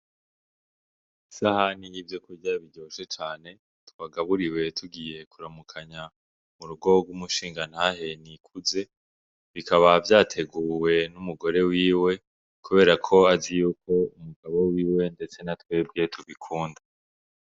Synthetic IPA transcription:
isahanijivjokuɾɟaβiɟo̞ːʃe̞t͡ʃaːne̞ | tuβaɡaβuɾiwe̞tuɡije̞kuɾamukʰaɲa | muɾuɡo̞ɡwumuʃiːŋɡan̥haɦe̞nikʰuze̞ | βikaβavjaːtʰe̞ɡuːwe̞numuɡo̞ɾe̞wiːwe̞ | kuβe̞ːɾakʰo̞azijukʰo̞umuɡ̥aβo̞wiːwe̞nde̞t͡se̞natwe̞ːb̚ɡietʰuβikʰuːnda

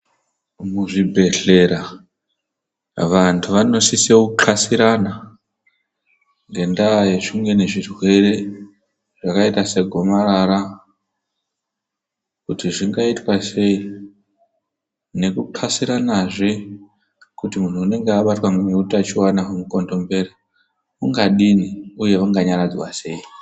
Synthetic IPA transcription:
muʐibʱe̞ɬe̞ɾa | ʋantʰuʋano̞sisekǃʰasiɾana | ŋɡe̞ndajeʃuŋɡe̞ne̞ʐirwe̞re̞ | ʐ̥akaitase̞ɡʱo̞maraɾa | kutiʐiŋɡaitwase̞i | ne̞kuǃʰasiɾanaʐe | kutimun̤uːne̞ŋɡeaɓatwaŋneutat͡ʃiwanaɦumuko̞ndo̞mbe̞ɾa | uŋɡaɗiniuje̞ʋaŋɡaɲaɾad͡zwase̞i

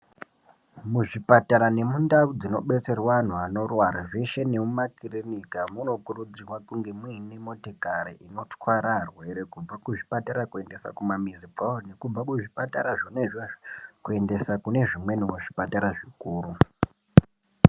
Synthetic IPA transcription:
muʐipataɾane̞mundaud͡zino̞̰ɓe̞t͡se̞rwan̤uano̞rwaɾaʐeʃe̞nemumakirinikamuno̞kuɾud͡zirwakuŋɡe̞mwinemo̞tekaɾiʔino̞t͡swaɾarwe̞ɾe̞kub͡vakuʐipataɾakue̞nde̞sa̰kumamizipaone̞kub͡vakuʐipataɾaʐone | kue̞nde̞sakune̞ʐimwe̞nemuʐipataɾaʐikuːɾu

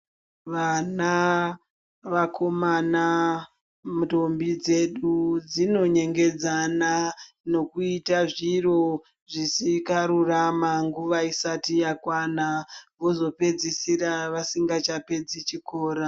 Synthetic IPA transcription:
ʋana | ʋakʰo̞mana | muto̞mbid͡zeɗud͡zino̞ɲe̞ŋɡe̞d͡zana | no̞kuitaʐiro̞ | ʐisikaɾuramaŋɡuʋaisatijakwanaʋo̞zo̞pe̞d͡zisiɾaʋasiŋɡat͡ʃape̞d͡zit͡ʃikoːɾa

